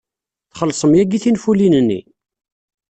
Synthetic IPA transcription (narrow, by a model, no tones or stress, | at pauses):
θχəlːsˤəmjæɡiθinfulinənːḭ